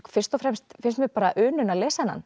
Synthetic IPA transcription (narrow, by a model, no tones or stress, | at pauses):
fɪr̥st̪ɔfɾɛmst̪fɪnst̪mɛpaːɾaʔʏːnʏnalɛːsana̰n